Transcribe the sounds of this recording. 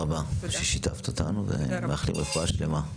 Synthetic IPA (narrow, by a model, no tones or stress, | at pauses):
abaʃeʃit̪a̰ft̪ot̪anuvḛmeaχlimʁifoaʃle̞ma